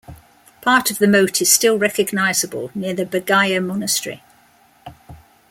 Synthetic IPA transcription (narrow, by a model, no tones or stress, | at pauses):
pʰɑˑtʰəvðəmoʊtʰɪz̥stɪlˠɹɛkəɡnaɪzəbə̰lˠnɪəðəbəɡaɪəmɒnəstɹ̥ḭ